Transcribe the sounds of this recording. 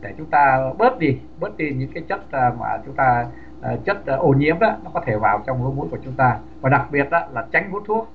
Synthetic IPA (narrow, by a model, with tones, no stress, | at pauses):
ɗe˧˩t͡ɕʊ˨˦ŋ͡mt̪aː˧ɓəː˦˥t̚ɗi˧ | ɓə˦˥t̚ɗi˧ɲɨ̰˧˥ŋkaː˨˦jt͡ɕə˦˥t̚ːma̰ː˨˩t͡ɕʊ˨˦ŋ͡mt̪aː˧˨ | t͡ɕə˦˥t̚ːʔo˧˩ɲḭ˧˥əmʔa˧˦nɔ˨˦kɔ˨˦t̪ʰe˧˩vaː˨˩wt͡ɕɔ˧wŋ͡mlu˨˦jmu˨˦jku˧˩ət͡ɕʊ˨˦ŋ͡mt̪aː˧ | vaː˨˩ɗa˨˩k̚ɓi˨˩ət̚ʔaː˧˦laː˨˩t͡ɕa˨˦jŋ̟vu˦˥t̚t̪ʰu˦˥ək̚